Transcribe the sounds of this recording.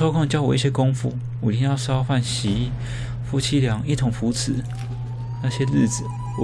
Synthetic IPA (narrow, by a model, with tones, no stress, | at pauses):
o˥ʊkʰʊ˥˧ŋt͡ɕjɑ˥ʊwɔ˨˩˦i˥˩ɕjɛ˥kʊ˥ŋfṵ˥˩˨ | i˥njɑ˥˩ʊʂɑ˥ʊfa˥˩nɕi˧˥˦ | fu˥t͡ɕʰi˥ljɑ˨˩˦ŋi˥˩t̪ʰʊ˧˥ŋfu˧˥˦t͡s̩ʰ˨˩˦ | na˥˩ɕjɛ˥l̩˥˩t͡s̩˨˩˦